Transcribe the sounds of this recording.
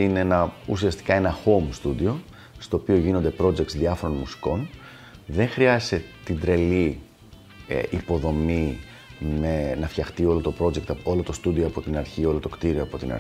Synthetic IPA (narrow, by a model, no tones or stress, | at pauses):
ineenɐusiɐst̪i̥kɐe̞nɐxo̞mst̪ud̪io̞ | st̪o̞ːpio̞ʝino̞nd̪e̞pɾo̞d͡ʒe̞kt̪sðiɐfo̞ɾo̞nmusi̥ko̞n | ðe̞ŋxɾiɐze̥set̪ind̪ɾe̞li | ʔipo̞ðo̞mi | menɐfçɐxt̪io̞lo̞t̪o̞pɾo̞d͡ʑek̚t̪ɐo̞lo̞t̪o̞st̪ud̪io̞ɐpo̞t̪inɐɾçio̞lo̞t̪o̞kt̪iɾio̞ɐpo̞t̪inɐ̰